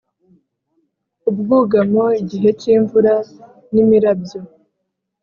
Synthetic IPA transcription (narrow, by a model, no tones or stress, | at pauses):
ubɡuːɡamoiɟiɦe̞ciːɱvuɾa | nimiɾab̚jo